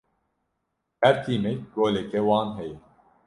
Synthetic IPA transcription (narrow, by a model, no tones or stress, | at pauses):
æɾt̪imeɡoːlekewɑːnɦej